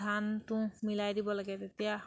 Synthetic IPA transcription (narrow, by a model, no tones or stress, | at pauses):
ant̪ʊ̃milajd̪ibɔlaɡɛt̪et̪ija